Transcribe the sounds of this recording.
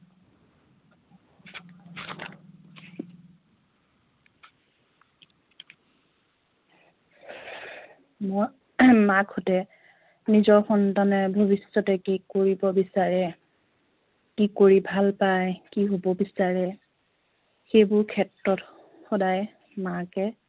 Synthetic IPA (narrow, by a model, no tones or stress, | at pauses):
mɔ | maɡhotɛ | nizɔɹxɔntanɛbʱobisːɔtɛkikoɹibɔbisaɹɛ | kikoɹibʱalpajkiɦobɔbisaɹɛ | xejbʊɹkʰɛtɹɔt | xɔdaj | makɛ